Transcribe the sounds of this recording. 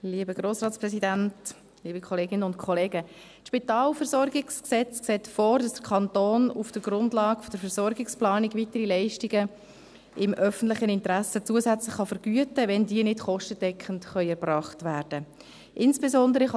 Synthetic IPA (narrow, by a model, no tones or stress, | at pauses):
liːəbəɡ̥roːsrɑːtsprɛsidænt | liːbəkʰχɔleːɡɪnəʊntkʰɔleːɡə | tʃpitɑːlfɛɾsɔɾɡɪksksɛt͡sksɛːtfɔːɾdɑsdə̥kʰɑntoːnufd̥əɡ̥rʊndlɑːɡ̥fɔd̥əɾfɛɾsɔɾɡɪksplɑːnɪɡvitəɾilɛɪʃtiɡə | ɪmʔœfən̩tlɪχənɪntɾæsət͡suəzæt͡slɪχːɑfəɾɡ̥yətəʋɛndiːənɪdχɔʃtəd̥ɛkχən̩tχœʏɛɾbrɑːχtvæːrd̥ə | ʔɪnsb̥ezɔndəɾəχ